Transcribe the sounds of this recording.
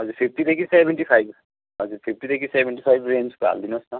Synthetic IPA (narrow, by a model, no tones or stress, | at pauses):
ɦʌzuɾpʰip̚ʰʈid̪ekʰisebʱeɳʈipʰajb | ɦʌziɾpʰip̚ʈid̪ekʰisebenʈipʰajbɾenskoɦa̰ld̪inɔsnʌ